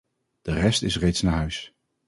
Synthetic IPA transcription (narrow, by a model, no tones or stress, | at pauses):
d̥ərɛstɪsrejtsnaːɦœɥs